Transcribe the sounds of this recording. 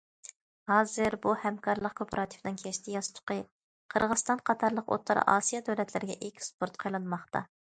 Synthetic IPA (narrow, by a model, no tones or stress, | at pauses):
hɑːzɨɾbuhɛmkʰɑɾlˠəq̚kʰopʰɑɾɑt̪ʰɨ̥fnɨŋkʲʰɛʃt̪ʰɪjɑst̪ʰʊ̥qə | qʰəɾʁəz̥st̪ɑnqʰɑt̪ʰɑɾlˠəqo̰t̪ʰːɑɾ̰ɑ̰ːsijɑd̪øwlɛt̪ʰlɪɾɪɡʲɛ̰ʔekʲspʰoɾt̪qʰɑjlˠɨnmɑχt̪ʰɑ̰